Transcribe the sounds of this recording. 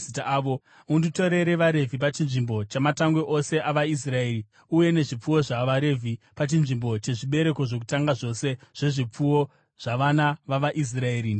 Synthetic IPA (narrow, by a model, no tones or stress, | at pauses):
itaːʋo | undito̞ɾe̞ɾe̞ʋaɾe̞vʱipat͡ʃinʐimbo̞t͡ʃamataŋɡweʔose̞ʔaʋais̬rae̞ːri | uje̞ne̞ʐip͡fuwo̞ʐaʋaɾe̞vʱipat͡ʃinʐimbo̞t͡ʃe̞ʐiɓe̞ɾe̞ko̞ʐok̬utaŋɡaʐo̞se̞ʐ̥e̞ʐip͡fuwo̞ | ʐ̥aʋanaʋaʋaʔis̬rae̞ːɾi